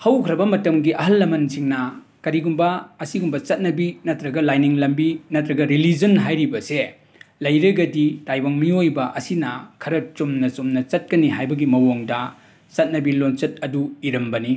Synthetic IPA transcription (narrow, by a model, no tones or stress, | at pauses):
hɐwkʰɾɐbɐmɐtɐmɡiʔɐɦɐlːɐmɐnsiŋnɐ | kɐɾiɡumbɐːsiɡumbɐt͡ʃɐt̚nɐbinɐtɾɐɡɐlajniŋlɐmbinɐtɾɐɡɐɾilid͡ʒɐnɦajɾibɐse | lɐjɾɐɡɐditajbaŋmiojbɐʔɐsinɐkʰɐɾɐt͡ʃomnɐt͡ʃomnɐt͡ʃɐt̚kɐniɦajbɐɡimɐwoŋdɐ | t͡ʃɐt̚nɐbilont͡ʃɐt̚ɐduiɾɐmbɐni